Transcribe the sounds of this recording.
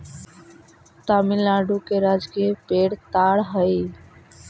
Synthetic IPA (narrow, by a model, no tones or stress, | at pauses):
t̪amilaɖukeɾad͡ʒkiepeɽt̪aɽɦəj